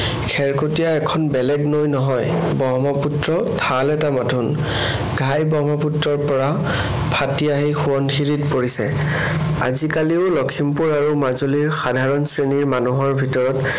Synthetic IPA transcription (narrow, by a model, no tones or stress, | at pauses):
kʰɛɹkotijaɛkʰɔnbɛlɛɡnojnɔɦɔj | bɔɦmɔputɹɔ | tʰalɛtamatʰun | ɡʱajbɔɦmɔputɹɔɹpɔɹa | pʰatiaɦixuɔnxiɹitpoɹisɛ̰ | a̰zikaliʊlɔkʰimpuɹaɹumazoliɹxadʱaɹɔnsɹeniɹmanuɦɔɹbʱitɔɹɔt